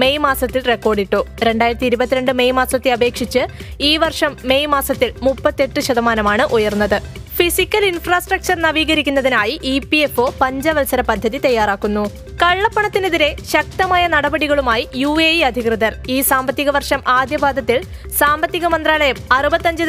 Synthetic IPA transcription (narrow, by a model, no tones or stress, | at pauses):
me̞jmaːsɐt̪ːilre̞kːo̞ːrɖiʈːoːɾe̞ɳɖaːjiɾɐt̪ːiɾubɐt̪ːiɾe̞ɳɖɨme̞jmaːsɐt̪ːeɐbe̞ːkʂit͡ɕːɨ | iːʋɐrʂɐmːe̞jmaːsɐt̪ːilmupːɐt̪ːe̞ʈːɨɕɐðɐmaːnɐmaːɳɨʔujɐrnːɐðɨ | fisikʲːɐlinfraːsʈrɐk̚t͡ɕɐrnɐʋiːɣɐɾikʲːunːɐðinaːjiʔipiefo̞ːpɐɲd͡ʑɐʋɐlsɐɾɐpɐd̪ʱːɐðit̪ɐjːaːraːkːunːu | kɐɭːɐpːɐɳɐt̪ːineðiɾe̞ɕɐk̚t̪ɐmaːjɐnɐɽɐbɐɽiɣɐɭumaːjijuːeːjiɐd̪ʱikrɨðɐriːsaːmbɐt̪ːiɣɐʋɐrʂɐmaːd̪jɐbʱaːd̪ʱɐt̪ːil | saːmbɐt̪ːiɣɐmɐnd̪raːlɐjɐmɐrubɐt̪ːɐɲd͡ʑɨ